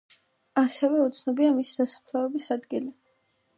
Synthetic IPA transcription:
asɛvɛut̪sʰnɔbiamisi̥d̪̥asḁpʰlɔɛbisad̪ɡili

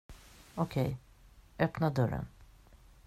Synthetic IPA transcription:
ɔkʰɛj | ʔœpnad̪ɵɾə̰n

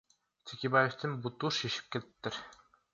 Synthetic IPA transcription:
t̪ʰekʲebajeft̪ɪnbut̪uʃiʃi̥p̚kelt̪pt̪ːɪɾ

